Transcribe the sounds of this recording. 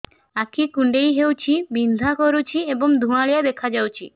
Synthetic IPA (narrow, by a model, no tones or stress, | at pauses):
akʰikuɳɖejɦewt͡ɕʰibind̪ʱakoɾut͡ɕʰieboŋd̪ʱumalijad̪ekʰad͡ʑawt͡ɕʰḭ